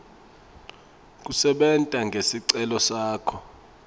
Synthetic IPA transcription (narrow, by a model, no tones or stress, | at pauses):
k̬usɛɓɛntʼaŋɡʱesiǀɛlɔsaːkʰɔ